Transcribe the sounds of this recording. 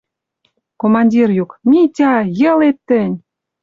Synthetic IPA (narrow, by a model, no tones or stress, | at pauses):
komɑnʲdʲirjukmitʲɑjə̆let̪ːə̆nʲ